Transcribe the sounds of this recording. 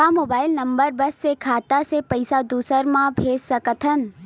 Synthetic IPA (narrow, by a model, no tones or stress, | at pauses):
amoːbaːɪlnəmbəɾbəsːekʰaːt̪asepəjsad̪uːsəɾmãbʱeːssəkət̪ʰən